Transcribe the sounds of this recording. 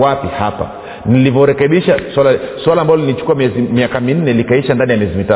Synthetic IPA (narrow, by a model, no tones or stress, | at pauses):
wapihapa̰ | nilivɔɾɛkɛɓiʃaswalaswalaːmbalɔlilit͡ʃu̥kuamɛzimiakamin̩nɛlikaiʃandanijamiɛzimita